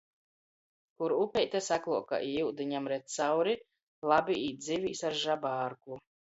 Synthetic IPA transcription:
kuɾupʲɛjt̪ʲasaklˠuɔka̰ʔiuwd̪iɲamɾɛt̪t̪sawɾi | lˠabiʔiːt̪̚d̪zivʲiːsaɾʒabaːɾku

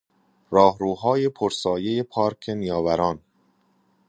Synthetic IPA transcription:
ɾɒːhɾuːɦɒːje̞pʰoɾsɒːje̞jepʰɒːɾkʰe̞nijɒːvæɾɒːn

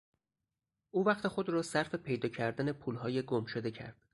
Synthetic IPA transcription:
ʔuːvæxt̪exo̞d̪rɒːsæɾfe̞pʰe̞jd̪ɒːcʰæɾd̪æne̞pʰuːlɦɒːje̞ɡomʃod̪e̞cʰæ̰ɾd̪̥

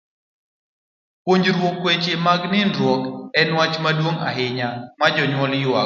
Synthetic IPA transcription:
poɲd͡ʒɾwokwet͡ʃemaɡnɪndɾwɔkɛnwat͡ʃmadwoŋa̰ɦɪɲamad͡ʒɔɲwɔljʊa

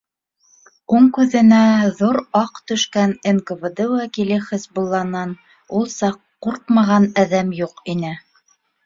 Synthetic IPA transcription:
uɴkʉðɘ̆næðuɾɑqt̪ɵ̆ʃkænenkɘvɘd̪ɘwækilɘχɘzbulˠːɑnɑn | ulˠsɑqːuɾqmɑʁɑnæðæmjuqinɘ

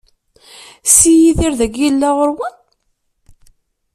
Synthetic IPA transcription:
sijiθiɾðæɡjilːæʁəɾwən

